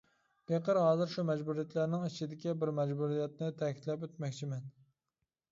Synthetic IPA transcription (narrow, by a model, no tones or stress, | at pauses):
pʰeqəɾhɑːzɨɾʃumɛd͡ʒbuɾijɛt̪læɾnɪŋit͡ʃʰid̪ɪkʲibɪɾmɛd͡ʒbuɾijɛt̪̚nɪt̪ʰɛkʲʰi̥t̪lɛpøt̪mɛkʲt͡ʃʰimɛn